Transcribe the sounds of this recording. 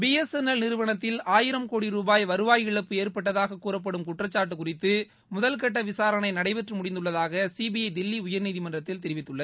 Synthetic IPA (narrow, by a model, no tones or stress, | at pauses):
biːɛsɛnɐlnɪɾɯʋɐɳɐt̪ːɪlaːjɪɾɐmkoːɽiɾuːbaːjʋɐɾɯʋaːjɪɭɐpːɯeːɾpɐʈ̬ːɐðaːɣɐkːuːrɐp̬ːɐɽɯmkʊʈrɐt͡ʃːaːʈ̬ːɯkʊrɪt̪ːɯ | mʊðɐlkɐʈːɐʋɪsaːɾɐnɐɪnɐɽɐɪʋɛʈrɯmʊɽɪnd̪ɯɭːɐðaːɣɐsibɪjɐɪd̪ɪlːiʊjɐɾniːðɪmɐndrɐt̪ːɪlt̪ɛɾɪʋɪt̪ːɯɭːɐð